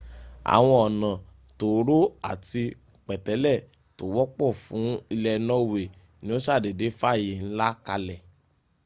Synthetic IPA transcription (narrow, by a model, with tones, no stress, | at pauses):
a̰˨w̃ɔ̃˧ɔ˨nã˨ | to˨˦ɾo˦a˦˨ti˧ | k͡pɛ˨tɛ˨˦lɛ˦˨ | to˨˦wɔ˦k͡pɔ˦˨fũ˨˦i˧lɛ˧nɔ̃˦we˨ | nĩ˦o˦ʃa˦˨de˨de˨˦fa˦˨ji˨n̩˦la˦ka˧lɛ˨